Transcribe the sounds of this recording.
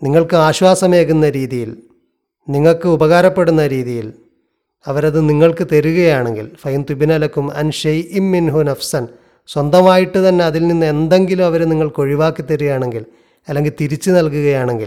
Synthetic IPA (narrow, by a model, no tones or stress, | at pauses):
niŋːɐɭkɨaːɕwaːsɐme̞ːɣunːɐɾiːðijil | niŋːɐɭkɨubɐɣaːɾɐpːe̞ɽunːɐɾiːðijil | ɐʋɐɾɐðɨniŋːɐɭkɨt̪eɾuɣɐjaːɳeŋɡḭlfɐjunt̪uibinɐlɐkːumɐ̰nʂɐjʔimːinɦunɐfsɐn | swɐnd̪ɐmaːjiʈːɨt̪ɐnːe̞ɐðilninːɨe̞nd̪e̞ŋɡilumɐʋɐɾniŋːɐɭko̞ɻiʋaːkːit̪ːeɾuɣjaːɳe̞ŋɡil | ɐlːe̞ŋɡilt̪iɾit͡ɕːɨnɐlkuɣɐjaːɳe̞ŋɡil